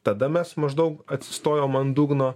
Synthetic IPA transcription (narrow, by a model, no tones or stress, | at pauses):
t̪ɐd̪ɐmʲɛsmɐʒd̪ɐʊkɐt̪ʲsʲɪ̥st̪oːjoːmɐnd̪uːɡnoː